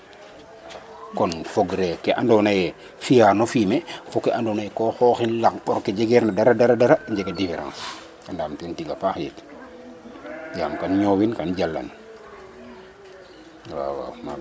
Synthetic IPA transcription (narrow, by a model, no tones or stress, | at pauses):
kɔnfoɡɾɛkɛʔandɔnajɛ | fijaɾnofimɛfukɛʔandonajɛkɔxɔːxinlaŋpɔɾkːed͡ʒɛɡɛɾnadaɾadaɾadaɾaɲd͡ʒɛɡadifɛɾã̰ːs | kandaːmtɛntiɡafaxjɛ̰t | ja̰ːmkanɲɔwinkand͡ʒalːa̰n | wa̰wa̰ma̰